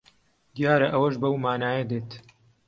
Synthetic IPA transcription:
d̪jaːɾɐʔɐwɐʃbɐwmaːnaːjɐd̪eːt̪

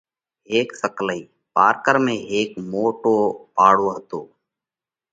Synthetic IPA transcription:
eːksəkləiː | paːɾkəɾmẽːeːkmoːʈoːpaːɽ̤oːɦət̪oː

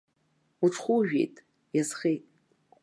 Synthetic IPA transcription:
uʈ͡ʂʰʼχʷuʒᶣejtʼ | jazχejtʼ

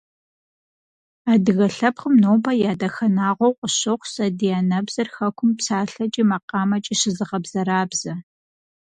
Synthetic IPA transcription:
aːdɨɣɐɬɐpχəmnoːbɐjaːdɐxɐnaːʁʷɔwqʷʼəɕɐχʷsɐdijaːnɐbz̥ɐrxɐkʷʊmpsaːɬɐt͡ʃʼiːmɐqɑːmɐt͡ʃʼiʃɪzɨʁɐbzɐɾaːbz̥ɐ

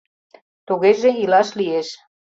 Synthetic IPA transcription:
t̪uɣeʒeilɑʃlieʃ

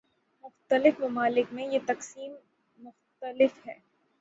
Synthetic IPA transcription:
mʊxt̪əlɪfmɐmaːlɪkmẽjet̪ɐqsiːmː | ʊxt̪əlɪfhɛː

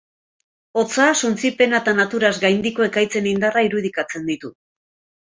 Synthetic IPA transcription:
o̞t͡sasunt͡sipe̞nat̪anat̪uɾazɡajnd̪iko̞e̞kajt͡se̞nind̪araiɾuð̞ikat͡se̞nd̪it̪u

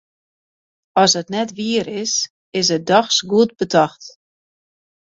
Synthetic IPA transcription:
ɔsətnɛtʋiəɾɪs | ɪs̬ət̚dɔxsɡuətbətʰɔxt

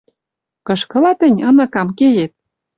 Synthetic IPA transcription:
kɤ̆ʃkɤ̆lɑt̪ə̆nʲɤ̆nɤ̆kɑmkeɣet̪̚

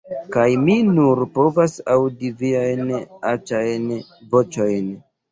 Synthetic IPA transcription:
kajminuɾpo̞vasawdiviajnat͡ʃajnvo̞t͡ʃo̞jn

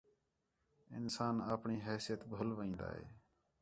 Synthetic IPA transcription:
ɪ̰nsaːnaːpɳiːɦɛːsɪjət̪bʱʊlʋĩːnd̪a̰ːɦḛː

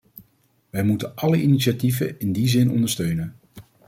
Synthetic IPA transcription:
ʋɛjmutənʔɑləʔiniʃativə̰ɪndizɪnɔ̰ndəɹstøɥnən

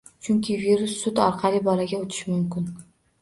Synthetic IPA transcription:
t͡ʃʰʊŋkʲʰɪviɾʊsːʊt̪ɒɾqʰɑlibɒlaɡʲaot̪ʰɪ̥ʃmʊmkʲʊn

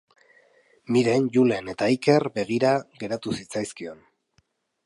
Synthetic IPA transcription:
miɾe̞nʝule̞ne̞t̪aike̞rbe̞ɣ̞iɾaɣe̞ɾat̪usit͡sajskio̞n

